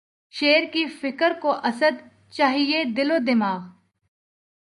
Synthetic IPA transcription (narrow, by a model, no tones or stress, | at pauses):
ʃeːɾkifɪkəɾkoʔɐsəd̪ | t͡ʃaːɦied̪ɪloːd̪ɪmaːɣ